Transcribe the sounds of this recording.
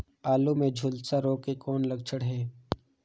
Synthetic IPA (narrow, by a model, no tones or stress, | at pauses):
aːlumẽd͡ʒʱʊlsaɾoːkekɔːnlɐɡ̚t͡ʃʰəɽɦɛː